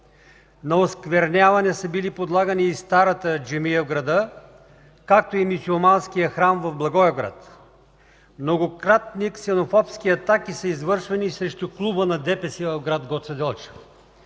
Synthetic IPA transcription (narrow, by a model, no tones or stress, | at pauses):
nɐoskvɛɾnʲavɐnɛsəbilipod̪lˠaɡɐniːst̪aɾɐt̪əd͡ʒɛmijəvɡɾɐd̪ə | kak̚t̪oimisʲiomanskijəxɾamvɐvblˠɐɡɔjɐɡɾa̰t̪ | mnoɡokɾat̪niksɛnofɔpskiɐt̪akisəizvɤɾʃvɛnisɾɛʃt̪uklˠubənɐd̪ɛpɛsivɐvɡɾad̪ɡɔt̪sɛd̪ɛlˠt͡ʃə̥